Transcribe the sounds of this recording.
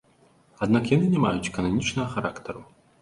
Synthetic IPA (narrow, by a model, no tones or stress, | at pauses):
ad̪nakjanɨnʲɛmajut͡sʲɛ̥kɐnamʲit͡ʂnɐɣɐxaɾakt̪ɐɾu